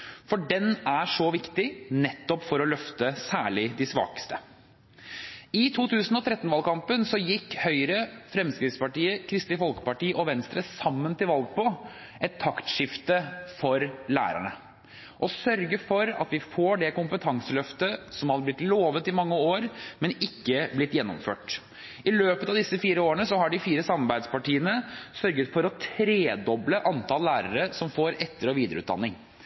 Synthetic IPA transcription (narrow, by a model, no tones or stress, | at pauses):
fɔɖɛnæʂɔʋɪkt̪ɪnɛt̪ːɔpfɔɾɔlœft̪əsæːɭɪd̪ɪsʋɑ̰ːkə̥st̪ə̥ | ɪt̪ʰuːt̪ʰʉːsn̩ɔt̪ʰɾɛt̪ːnʋɑlkɑmpənsɔjɪkːhœʏɾəfɾɛmskɾɪt̪spɑʈiːəkʰɾɪst̪ɪfɔlkə̥pɑʈiːʔɔʋɛnst̪ɾəsɑmːənt̪ɪlʋɑlɡ̚pɔ | ʔɛt̪ʰːɑkt̪ʂɪft̪əfɔɾlæ̰ːɾæ̰ɳə | ʔɔsœɾɡəfɔɾɑ̰t̪ʋɪfoːɖɛkʊmpət̪ʰɑŋsəlœft̪əsɔmɑblɪt̪loːʋət̪ɪmɑŋːəoːɾmɛnɪkːəblɪt̪ːjɛnːɔ̰mfø̰ːʈ | ɪløːpət̪ɑʋd̪ɪsːəfiːɾəoːɾəɳəsɔɦɑɖɪfiːɾəsɑmːɑɾbæɪd̪spɑʈiːənəsœɾɡət̪fɔɾɔt̪ʰɾeːd̪ɔbləʔɑnt̪ʰɑlːæːɾəɾəsɔmfoːɾɛt̪ːəɾɔʋiːd̪əɾəʉːt̪d̪ɑ̰nːɪŋ